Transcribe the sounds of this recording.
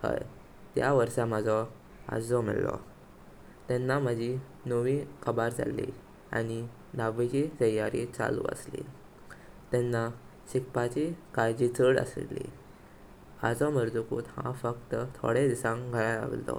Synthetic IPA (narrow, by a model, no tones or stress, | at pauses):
hə̰j | t̪jaʋəɾsam̤ad͡zʱɔ | a̰d͡zɔmḭɭlɔ̰ | t̪ɛnːam̤ad͡ʑʱi | nəʋikʰəbaɾd͡za̰lːḭ | a̰ñi | naʋet͡ɕit̪əjaɾit͡sa̰lṵːə̰slḭ | t̪ɛnːa | ɕikpat͡ɕikajd͡ʑit͡səɽə̰slːḭ | ad͡zɔməɾd͡z̪ukuːt̪hã̰fəkt̪ət̪ʰo̰ɽed̪isãɡʱəɭala̰ʋlt̪ɔ̰